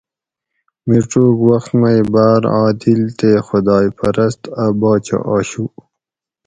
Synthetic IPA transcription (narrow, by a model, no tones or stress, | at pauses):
miʈ͡ʂoːkwɐxt̪majbaːɾaːd̪ilt̪exʊd̪ɑːjpɐɾɐst̪abɑːt͡ɕa̰ʔaːɕu